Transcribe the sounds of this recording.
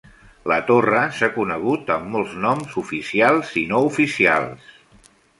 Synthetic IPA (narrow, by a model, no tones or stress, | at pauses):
lət̪orəsakunəɣ̞ut̪əmːɔlˠznɔmzufisialˠzinoufisia̰lˠs